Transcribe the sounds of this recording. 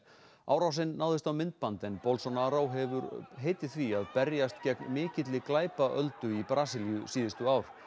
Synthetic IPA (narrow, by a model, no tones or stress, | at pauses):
a̰wɾawsɪnːawðɪst̪awmɪnt̪̚pant̪ɪnpɔlsɔnaɾawɦɛvʏɾɦeːjt̪ɪ̥θviaðpɛɾjast̪cɛknmɪːcɪt̪lɪklaːjpaʔœlt̪ʏipɾaːsɪljʏsiːðɪst̪ʏaːwɾ̥